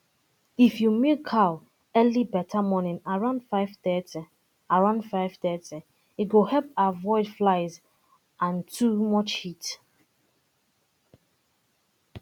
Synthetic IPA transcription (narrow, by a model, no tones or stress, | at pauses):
ifjumekʰaʊ | ɛlibɛtʰamɔnĩnaɹãʊ̃ndfaɪvtɛti | aɹãʊ̃ndfaɪvtɛti | itɡohɛlpavɔɪdflaɪz | ʔãntʰumɔt͡ʃhit